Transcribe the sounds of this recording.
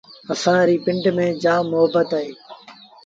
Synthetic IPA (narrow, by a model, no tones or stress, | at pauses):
əsãːɾiːpɪ̃ɳʈmẽːd͡ʒaːmʊɦəbət̪aːɦeː